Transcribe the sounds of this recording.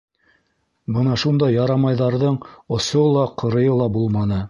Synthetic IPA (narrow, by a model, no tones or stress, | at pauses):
bɤnɑʃund̪ɑjːɑɾɑmɑjðɑɾðɤɴŏsolˠɑqʰɤ̆ɾɤ̆jɤlˠɑbulˠmɑnɤ